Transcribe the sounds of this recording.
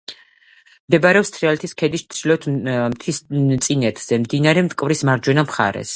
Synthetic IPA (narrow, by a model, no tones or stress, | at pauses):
md̪ɛbaɾɛɔpst̪ʰʼɾialɛt̪ʰiskʰɛd̪iʃt̪sʰilɛt̪ʰmt̪ʰist̪sʼinɛt̪ʰz̥ɛmd̪inaɾɛmt̪ʼkʼvɾismaɾd͡ʒwɛnamχa̰ɾɛ̰s